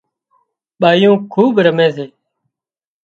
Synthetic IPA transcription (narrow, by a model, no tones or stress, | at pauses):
ɓaːjũːkʰuːɓɾəmẽːseː